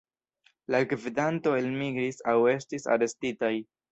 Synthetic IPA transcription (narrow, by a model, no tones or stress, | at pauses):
laɡvidanto̞e̞lmiɡɾisawe̞stisa̰ɾe̞stitaj